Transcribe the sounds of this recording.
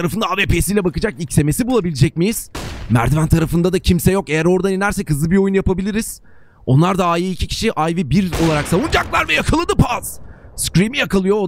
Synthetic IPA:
ɾafɯnd̪aaːveːpeːsijlʲɛbakɯd͡ʒakicse̞me̞sibulˠabilʲid͡ʒɛc̚mijiz̥mæ̰ɾd̪vænt̪ʰaɾafɯnd̪ad̪acʰimsɛjo̞ke̞jæɾo̞ɾd̪aninʲæɾsɛkʰhɯzlɯbio̞junjapabilʲiɾiz̥ | o̞nlˠaɾd̪aaːjiːcʰicʰi̥ʃiʔajvibiɾo̞lˠaɾaksavund͡ʒaklˠaɾvɛjakʰalˠɯd̪ɯpʰaz̥skɾimijakalˠɯjo

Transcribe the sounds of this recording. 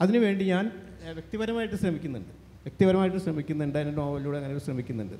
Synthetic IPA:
ɐðinɨʋe̞ːɳɖiɲaːn | ʋjek̚t̪iʋɐɾɐmaːjiʈːɨɕrɐmikʲːunːuɳɖɨ | ʋjek̚t̪iʋɐɾɐmaːjiʈːɨɕrɐmikʲːunːuɳɖɨɐinːilmoʋɐlːijuːɽeɐŋːɐnjoɭɕrɐmikʲːunːuɳɖɨ̰

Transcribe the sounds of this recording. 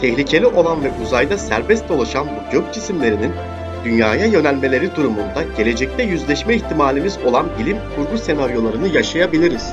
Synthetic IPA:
t̪ʰɛçlʲicʰe̞lʲiʔo̞lˠanvɛʔuzajd̪asæ̰ɾbɛst̪̚d̪o̞lˠaʃanbuɟøc̚d͡ʒisimlʲe̞ɾinin | d̪̥ynjaːjajø̞nælʲme̞lʲe̞ɾid̪uɾumund̪aɟe̞lʲe̞d͡ʒɛc̚t̪ʰɛjyzlʲɛʃmɛiçt̪ʰimaːlʲimizo̞lˠanbilʲimkʰuɾɡuse̞naɾjo̞lˠaɾɯnɯjaʃajabilʲiɾiz̥

